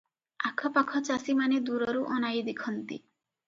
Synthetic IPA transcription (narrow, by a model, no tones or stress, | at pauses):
a̰kʰɔpakʰɔt͡ʃasimaned̪uɾɔɾuʔɔnajd̪ekʰɔnt̪ḭ